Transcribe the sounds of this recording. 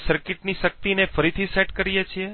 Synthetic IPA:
səɾkɪʈniʃək̚t̪inefəɾit̪ʰiseʈkəɾijet͡ʃʰie

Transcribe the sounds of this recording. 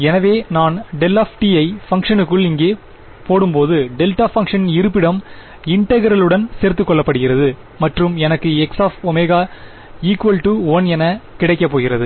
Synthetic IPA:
ɛnɐʋeːnaːnɖɛlɐfʈiɐɪfɐŋkʂɐnɯkːɯɭɪŋɡeː | poːɽɯmpoːðɯɖɛlʈaːfɐŋkʂɐnɪɾɯpːɪɽɐm | ɪɳʈɐɣɐɾɐɭɯɽɐnseːɾt̪ːɯkːɔɭːɐpːɐɽɯɣɪrɐðɯ | mɐʈrɯmɛnɐkːɯɛksaːfɔmeːɣaː | iːkʋɐlʈuɐnɛnɐkɪɽɐɪkːɐp̬ːoːɣɪɾɐðɯ

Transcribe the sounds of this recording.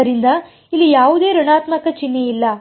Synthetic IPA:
ɐɾind̪ɐ | ilːijaːʋud̪e̞ːɾuɳaːt̪mɐkɐt͡ʃinːeilːɐ

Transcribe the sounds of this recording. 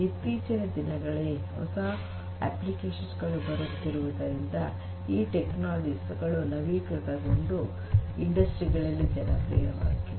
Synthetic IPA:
it̪ːiːt͡ʃɐnɐd̪inɐɡɐɭeɦɔ̰sɐ | ḛplikeːʃɐnsɡɐɭubɐɾut̪ːiɾuʋud̪ɐɾind̪ɐ | iːʈeknaːld͡ʒisɡɐɭunɐʋikut̪ɐɡoɳɖu | iɳɖɐsʈɾiɡɐɭɐlːid͡ʒɛnɐpɾḭːɾɐʋa̰ːjt̪ːi

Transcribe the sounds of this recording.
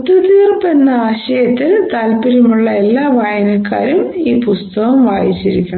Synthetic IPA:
t̪ːɐt̪iːrpenːɐaːɕɐjɐt̪ːilt̪aːlpiɾimuɭːɐe̞lːaːʋʱaːjɐnɐkːa̰ːɾumiːpust̪ɐɣɐmʋaːjit͡ɕːiɾikʲːuɳɐ

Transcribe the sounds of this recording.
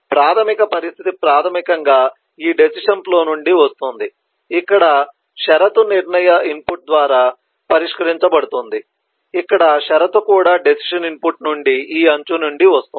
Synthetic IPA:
pɾaːt̪ʰɐmikɐpɐɾist̪ʰit̪ipɾaːt̪ʰɐmikɐŋɡaː | iːɖesiʂɐnplo̞ːnuɳɖiʋɐst̪und̪i | ikːɐɽɐ | ʃɛɾɐt̪uniɾɳɐjɐimpuʈ̚d̪ʋaːɾaː | pɐɾiʂkɐɾiɲt͡ʃɐbɐɽut̪und̪i | ikːɐɽɐʃɛɾɐt̪ukuːɽaːɖesi̥ʂɐnimpuʈnuɳɖiiːɐɲt͡ʃunuɳɖiʋɐst̪u

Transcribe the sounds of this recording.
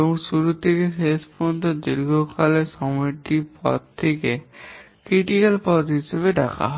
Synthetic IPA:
boŋʃuɾut̪ʰekesespɔont̪od̪iɾɡokaleʃɔmɔjʈipɔ̰d̪̚t̪ʰːeke | kɾiʈikalpɔd̪ɦiʃeβeɖakʰa̰ɦɔ

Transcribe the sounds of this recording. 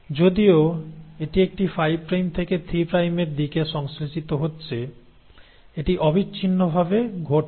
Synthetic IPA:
d͡ʑod̪ioeʈiek̚ʈifajbpɾajmt̪ʰeket̪ʰɾipɾajmeɾd̪ikeʃɔŋslit͡ɕit̪oɦotːɕʰe | eʈiʔɔbitːɕʰinːobʱabeɡʱoʈ

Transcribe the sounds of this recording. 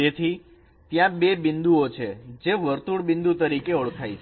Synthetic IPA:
et̪ʰi | t̪jãbebɪnd̪uot͡ʃʰed͡ʒeʋəɾt̪uɽbɪnd̪ut̪əɾikeoɭkʰajt͡ʃʰ

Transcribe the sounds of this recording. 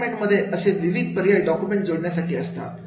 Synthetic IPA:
mẽɳʈməd̪ʱːjeʔəseʋiʋid̪̚ʱpəɾjaːjɖɔkjumẽɳʈd͡zoːɽnjasakeəst̪a̰

